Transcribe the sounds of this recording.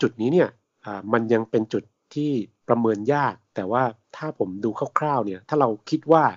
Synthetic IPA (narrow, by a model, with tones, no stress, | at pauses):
t͡ɕu˨˩t̪̚niː˦˥ni˥˩ɐ | ʔaː˨˩ma˧nja˧ŋpe˧nt͡ɕu˨˩t̪ʰːiː˥˩pɾa˧mɤː˧njaː˥˩k̚t̪ɛː˨˩waː˥˩t̪ʰaː˥˩pʰo˩˦mduː˧kʰa˥˩wkʰɾaː˥˩wni˥˩ɐt̪ʰaː˥˩ɾa˧wkʰi˦˥t̪̚waː˥˩